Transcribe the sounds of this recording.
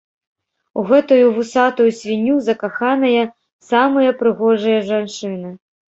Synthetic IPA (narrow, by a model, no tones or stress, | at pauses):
uɣɛt̪ujuvɨsat̪ujusʲvʲinʲːuzɐkaxanɐjɐ | samɨjɐpɾɨɣɔʐɐjɐʐant͡ʂɨnɨ